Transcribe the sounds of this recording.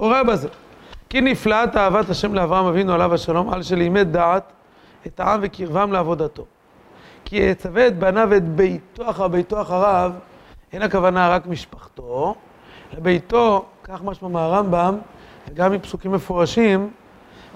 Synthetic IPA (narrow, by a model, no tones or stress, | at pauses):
uʁabazekiniflaat̪aavat̪haʃe̞mleavʁaamavinualavaʃalo̞mʔa̰lʃelejmet̚d̪aʕat̪ | e̞t̪aʕamvekiʁvamleavo̞d̪at̪o̞ | kiet͡saveːt̪̚banavet̪be̞jt̪oaχabejt̪o̞aχaʁav | ʔe̞nakavanaʁakmiʃpaχt̪o̞ | lebe̞jt̪o̞kaχmaʃmameaʁambamveɡamimpsukimːe̞foʁaʃim